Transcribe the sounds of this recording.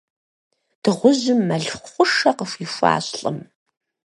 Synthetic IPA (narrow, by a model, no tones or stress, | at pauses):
d̥ɨʁʷʊʑɪmːɐɮχχʷʊʂɐqəfifʷa̰ːɕɬʼɨ̰m